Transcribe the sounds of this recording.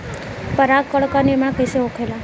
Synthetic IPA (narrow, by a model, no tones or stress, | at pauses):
pəɾakːəɭkanemɽ̃akəjseokʰela